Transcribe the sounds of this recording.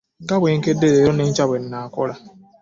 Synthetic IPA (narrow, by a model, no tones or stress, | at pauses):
ɡabeŋ̩kedeɾeɾonen̩t͡ʃaben̩naakʷʊɾa